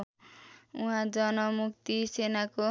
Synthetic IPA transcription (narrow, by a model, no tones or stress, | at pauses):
uɦãd͡zʌnʌmukt̪isenako